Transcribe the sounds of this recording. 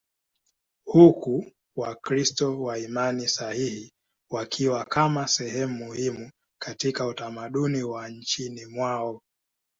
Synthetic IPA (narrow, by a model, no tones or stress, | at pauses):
huku | wakɾistɔwaimanisahihi | wakʰiwakamasɛhɛmumuhimu | katikautamaɗuniwaɲ̩t͡ʃinimwaɔ